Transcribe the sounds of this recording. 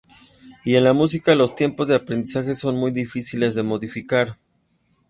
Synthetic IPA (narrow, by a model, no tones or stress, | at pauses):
ie̞nlamus̬ikalo̞st̪je̞mpo̞zðe̞apɾend̪isaxe̞so̞nmujðifisile̞zðe̞mo̞ðifikaɾ